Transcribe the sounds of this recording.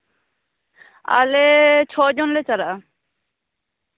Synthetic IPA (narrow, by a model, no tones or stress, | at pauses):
a̰let͡ʃʰɔːd͡ʒonlet͡saɾa